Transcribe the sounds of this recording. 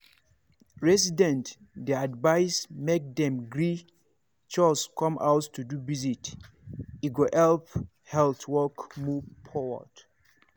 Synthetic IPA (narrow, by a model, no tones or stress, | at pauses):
ɹɛsidɛ̃nt | dɛadvaɪsmek̚dɛ̃mɡɹi | t͡ʃɔskɔ̃mʔa̰ʊttʰudubizit | iɡoʔɛlp | hɛlθwɔkmuvfɔwɔ̰d̥